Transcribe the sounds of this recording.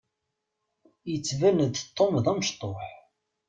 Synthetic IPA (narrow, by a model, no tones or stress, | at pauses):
jət͡sːvænəd̪t̪ˤːomðæməʃt̪ˤoħ